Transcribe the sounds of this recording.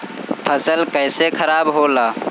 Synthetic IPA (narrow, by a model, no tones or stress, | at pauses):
pʰəsəlkəɪsekʰəɾaːbɦolaː